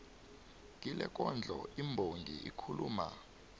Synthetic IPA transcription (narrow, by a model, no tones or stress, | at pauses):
k̬ʼilɛk̬ʼɔnd͡ɮʱɔimbʱoŋɡʱiḭkʰuluːma